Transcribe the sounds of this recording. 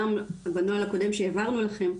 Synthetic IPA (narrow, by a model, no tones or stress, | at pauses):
ambanoalako̞de̞mʃeavaʁnulaχe̞m